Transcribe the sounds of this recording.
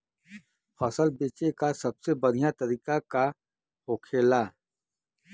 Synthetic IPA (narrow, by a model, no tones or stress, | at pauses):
fɔsəlbeːt͡ʃekasɐbsebɐɽ̤ijat̪ɐɾiːkaka | hoːkʰeːlaː